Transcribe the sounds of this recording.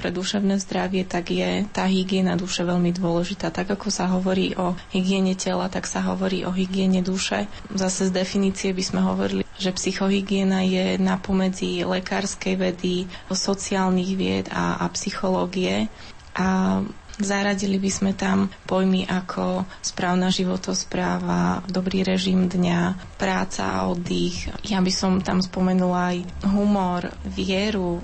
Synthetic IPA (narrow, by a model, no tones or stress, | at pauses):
pɾɛd̪uʃɛʊnɛːzd̪ɾaʋɪɛt̪aɡjɛt̪aːɦiɡɪɛnad̪uʃɛʋɛʎmid̪ʊɔlɛʒit̪aːt̪aɡakɔsaɦɔʋɔɾḭːʔɔhiɡɪɛɲɛcɛlat̪aksaɦɔ̰ʋɔɾiːʔɔɦiɡɪɛɲɛd̪uʃɛ | zasɛzd̪ɛfiniːt͡siɛbizmɛɦɔ̰ʋɔɾiliʒɛpsixɔɦiɡɪɛnajɛnapɔmɛd͡zilɛkaːɾskɛjʋɛd̪isɔt͡siaːlniɣʋɪɛ̰d̪a̰psixɔlɔːɡiɛ | ʔa | zaɾaɟilibizmɛt̪ampɔjmiʔakʰɔ | spɾaːʊnaʒiʋɔt̪ɔspɾaːʋa̰d̪ɔbɾiːɾɛʒimd̪ɲapɾaːt͡sa̰a̰ɔd̪ixjabisɔmt̪amspɔmɛnulaj | ɦumɔɾʋɪɛɾu